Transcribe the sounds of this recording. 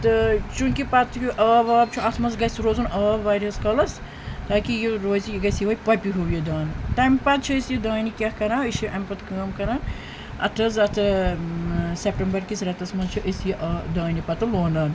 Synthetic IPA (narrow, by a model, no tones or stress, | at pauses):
t̪ɨt͡ʃunkʲipɐt̪ʰkʲuʔaːʋaːb̚t͡ʃʰuɐt̪ʰmɐnsɡɐsɾoːzunʔɐːʋaːɾiɐskɐlɐs | t̪aːkijiɾoːzijiɡɐsjiʋɐjpɐpiɦuʋjid̪aːnt̪ɐmpɐt̪̚t͡ʃʰuesjid̪aːnikʲɐhkɐɾãːisiʔɐmʲpɐt̪kɐːmkɐɾaːn | ɐ̰t̪ʰɐzɐt̪ʰɨ | sepʈɐmbɐɾkisɾɐt̪ɐsmɐnzt͡ʃʰuʔesjiʔd̪aːnipɐt̪ɨloːnɐn